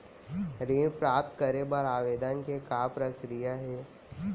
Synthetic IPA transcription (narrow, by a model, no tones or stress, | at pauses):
ɾeːnpɾaːp̚t̪kəɾebəɾaːʋeːd̪ənkekaːpɾəkɾijaɦɛː